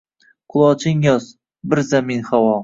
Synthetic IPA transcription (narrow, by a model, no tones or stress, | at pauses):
qʰʊlˠɒt͡ʃʰɪŋjɒs | bɪɾzaminχawɒ